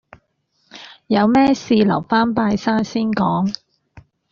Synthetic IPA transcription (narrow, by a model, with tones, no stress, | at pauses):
jɐ˨˧wmɛː˥siː˧lɐ̰˨˩wfaː˥npaː˧jsaː˥nsiː˥nkɔː˨˥ŋ